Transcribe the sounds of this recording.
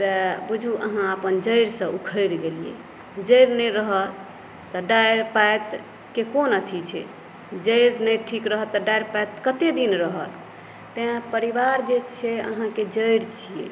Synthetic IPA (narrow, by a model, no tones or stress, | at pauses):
t̪əbud͡ʒʱuʔə̰ɦãəpənd͡ʒəjɾsə̃ʔukʰəjɾɡeliḛ | d͡ʒəjɾnəɾəɦət̪ | t̪ɔɖajɾpajt̪ | kekonət̪ʰit͡ʃʰɛ̰ | d͡ʒəjɾnəjʈʰikɾəɦət̪ːɔɖajɾpaet̪kət̪ed̪inɾəɦət̪ | t̪ẽãpəɾibaɾd͡ʒet͡ʃʰɛə̰ɦãked͡ʒəjɾt͡ʃʰijḛ